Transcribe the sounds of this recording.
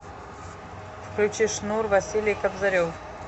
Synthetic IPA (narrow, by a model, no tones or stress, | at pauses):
fklʲut͡ʃiʂnurvɐsʲilʲijkabzaɾʲof